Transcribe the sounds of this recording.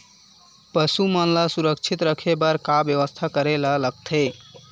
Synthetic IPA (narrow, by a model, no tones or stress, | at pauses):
pəsumənlasuɾək̚t͡ʃʰit̪ɾəkʰebəɾkabjəʋəst̪ʰakəɾelələɡ̚t̪ʰe